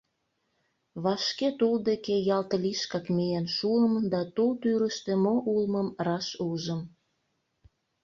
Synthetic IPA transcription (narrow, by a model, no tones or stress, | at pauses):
βɑʃket̪uld̪ekejɑlt̪əliʃkɑkmienʃuəmd̪ɑt̪ult̪yɾəʃt̪emoʔulməmrɑʃuʒəm